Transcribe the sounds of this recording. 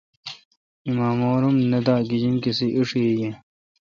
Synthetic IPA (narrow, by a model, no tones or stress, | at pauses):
imaːmoːɾumnɐd̪aːɡid͡ʑiŋkesiʔiʂeje